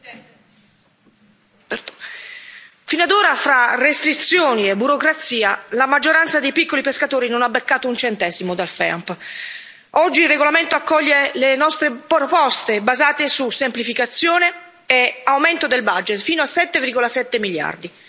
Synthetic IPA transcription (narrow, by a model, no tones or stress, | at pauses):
finoad̪oːɾafɾarest̪ɾit̪sjoːniebːuɾokɾat̪siːalamad͡ʒːoɾant̪sad̪ejpikːolipeskat̪oːɾinonabːekːaːt̪ount͡ʃɛnt̪ɛːzimod̪alfɛ̰mp | ɔd͡ʒːilrːeɡolament̪oakːɔʎːelenɔst̪ɾepɾopɔst̪ebazaːt̪esusemplifikat̪sːjoːneː | awment̪od̪elbad͡ʒːet̪fiːnoasɛt̪ːeviɾɡolasɛt̪ːemilja̰rd̪i